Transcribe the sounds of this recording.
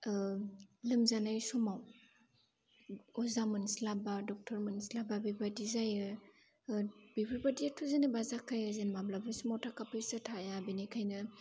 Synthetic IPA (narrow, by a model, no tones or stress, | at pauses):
lɯmzanajsɔmaw | ɔzamɯnslabadɔk̚tʰɔɾmɯnsilababibadizajɯ | bibabadiatʰuzenɯbazakʰajazenmablabɯsumɔwtʰakapʰɯjsɯtʰajabinikʰajnɐ